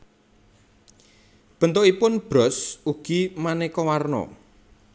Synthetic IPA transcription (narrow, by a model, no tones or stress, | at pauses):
b̥ə̤nt̪oʔipʊnb̥ɾɔsuɡ̥imanekɔwarnɔ̰